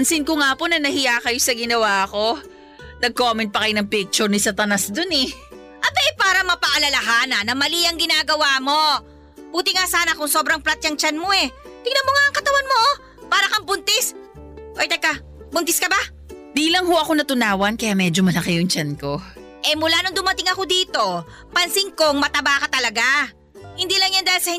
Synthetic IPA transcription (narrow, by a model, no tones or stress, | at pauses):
ɐnsɪnkoŋaːponɐnɐhɪjaːkɐjosɐɡɪnɐwaːɐko̞ | nɐɡ̚komɛnt̚pɐkɐjonɐŋpik̚t͡ʃʊɾnɪsɐt̪ɐnasd̪onɛ | ʔɐt̪oʔɛpaːɾɐmɐpɐʔɐlɐlɐɦaːnɐnɐmɐliʔɐŋɡɪnaːɡɐwaːmo̞ | b̥uːt̪ɪŋasaːnɐkʊŋsobɾɐŋplat̪̚jɐŋt͡ʃanmo̞ɛt̪ɪɡ̚nɐmoŋaʔɐŋkɐt̪ɐwanmoʔ | paːɾɐkɐmbʊnt̪ɪsʔojt̪ɐkɐ | bʊnt̪ɪskɐba | d̪iːlɐŋhoʔɐko̞nɐt̪ʊnaːwɐnkɐjaːmɛd͡ʒomɐlɐkɛjʊŋt͡ʃanko̞ | ʔɛmʊlaːnʊŋd̪ʊmɐt̪ɪŋɐko̞d̪iːt̪o̞ | pɐnsɪŋko̞ŋmɐt̪ɐbaːkɐt̪ɐlɐɡa | hɪnd̪iːlɐŋjɐnd̪aːhɪlsɐhɪ